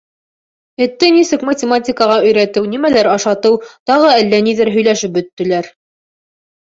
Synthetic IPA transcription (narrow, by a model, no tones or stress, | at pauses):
ɘ̆t̪ːɘnisɘkmətʲɪmatʲɪkəʁɑɵ̆jɾæt̪ɘwnimælæɾɑʃɑt̪ɤwt̪ɑʁɤælːæniðɘɾɦɵ̆jlæʃɘp̚bɵ̆t̪ːɘ̆læɾ